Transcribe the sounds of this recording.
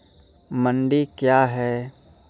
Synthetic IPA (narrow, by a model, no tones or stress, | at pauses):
mə̃ɳɖikjaːɦɛː